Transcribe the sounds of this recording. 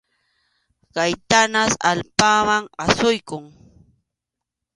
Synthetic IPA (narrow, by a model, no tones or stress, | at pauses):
ɢajt̪anasa̰lpamaŋasʊjkʊŋ